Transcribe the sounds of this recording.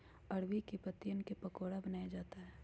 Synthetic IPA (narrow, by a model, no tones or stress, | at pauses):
ɐɽwikepɐt̪ːijənkepɐkoːɽabɐnaːjad͡ʒaːt̪aɦɛː